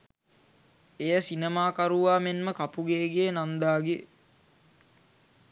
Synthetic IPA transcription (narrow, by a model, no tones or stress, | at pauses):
ejəsinemaːkaɾuʋaːmenməkapuɡeːɡeənand̪aːɡe